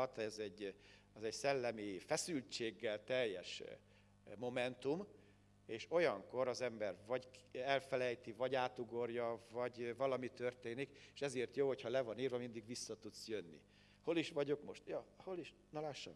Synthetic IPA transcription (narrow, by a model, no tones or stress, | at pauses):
t̪ɛzɛɟː | ɛzɛɟsɛlːɛmifɛsylt͡ʃeːɡːɛlt̪ɛjːɛʃ | mo̞mɛnt̪um | eːʃo̞jɒŋko̞ɾɒzɛmbɛrvɒɟɛlfɛlɛjt̪ivɒɟaːt̪uɡo̞rjɒvɒɟvɒlɒmit̪ø̞rt̪eːnikeʃɛzeːrt̪joːɦo̞chɒlɛvɒniːrvɛmind̪iɡʋisːɒt̪ut̪sjønːḭ | ho̞liʃʋɒɟo̞kmo̞ʃt̪jɒho̞liʃ | nɒlaːʃːɒ̰m